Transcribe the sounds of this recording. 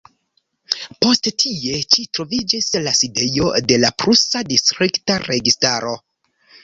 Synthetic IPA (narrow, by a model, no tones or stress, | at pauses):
po̞sttʰie̞t͡ʃitɾo̞vid͡ʒislaside̞jo̞de̞lapɾusadistɾiktaɾe̞ɡistaɾo̞